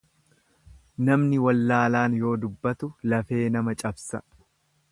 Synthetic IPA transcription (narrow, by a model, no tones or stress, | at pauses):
nɐmnɪwɐlːaːlaːnjo̞ːd̪ʊbːɐt̪ʊlɐfe̞ːnɐmɐt͡ʃʼɐbsɐ